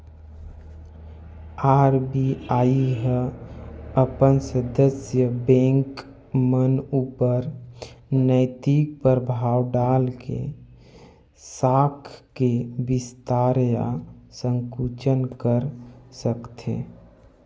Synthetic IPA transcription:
aːɾbiaːiɦə | əpənsəd̪əsjəbẽːŋk | mənupəɾ | nəɪt̪ik̚pəɾbʱaːwɖaːlkḛ | saːkʰkebɪst̪aɾja̰sə̃ŋkut͡ʃənkəɾsəkt̪ʰḛ

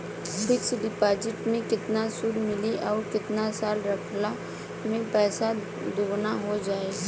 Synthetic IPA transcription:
pɪt͡ʃɖɪpaːd͡ʒɪʈmẽkɪt̪nasʊɾmɪliʔɔːɾkɪt̪nasaːlɾɐkʰla | mẽpɛːsa | d̪oːɡnaɦod͡ʒaːeː

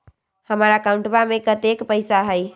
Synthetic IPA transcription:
həmɾakaũɳʈbamekət̪ekpəɪsaɦəj

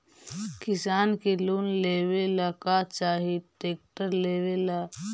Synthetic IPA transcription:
kɪsaːnkeluːnleːwelakat͡ʃaːɦiʈeːk̚ʈəɾleːwela

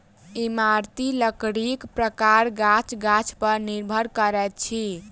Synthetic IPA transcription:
imaɾt̪iləkɽikpɾəkaɾɡat͡ʃɡat͡ʃʰpəɾniɾbʱəɾkəɾɛt̪̚t͡ʃʰi

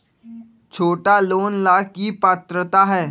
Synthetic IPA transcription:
t͡ʃʰoːʈaloːnlaːkipaːt̪ɾət̪aɦɛː

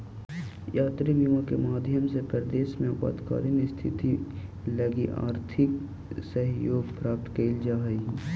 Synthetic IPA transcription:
jaːt̪ɾibimõkemaːd̪ʱjəmsepɾəd̪eːʃmẽʊpa̰ːd̪ka̰ːɾinist̪ʰɪ̰t̪ilɐɡiʔa̰ːɾt̪ʰɪk | səɦjoːɡpɾaːp̚t̪keld͡ʒaːɦɐi

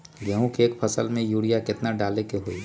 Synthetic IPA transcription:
ɡɛɦũkeːkpʰəsəlmẽjuːɽijakɪt̪naɖaːlekeɦoi

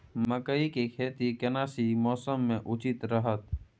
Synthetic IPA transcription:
məkəikekʰeːt̪ikɛnaːsimɔːsəmːẽʔʊt͡ʃɪt̪ɾəɦət̪

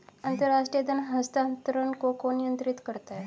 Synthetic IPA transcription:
ənt̪əɾaʂʈɾijəd̪ənɦəst̪ant̪ɾənkokonijənt̪ɾit̪kəɾt̪a

